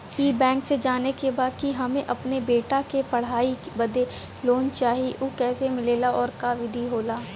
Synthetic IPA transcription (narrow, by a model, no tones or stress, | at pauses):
iːbɛ̃ːŋksed͡ʒaːnekebaːd̪̚kiɦɐmẽʔɐpnebeːʈakepɐɽ̤aːibɐd̪e | loːnt͡ʃaːɦieʔokɛːsemɪleːlaɔːɾkaʋɪd̪ʱiɦoːlaː